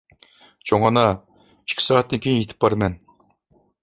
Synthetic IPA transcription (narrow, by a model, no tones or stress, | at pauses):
t͡ʃʰoŋɑnɑ | i̥ʃkʲʰi̥sɑːt̪nɨkʲʰejet̪ʰɪ̥pːɑɾmɛn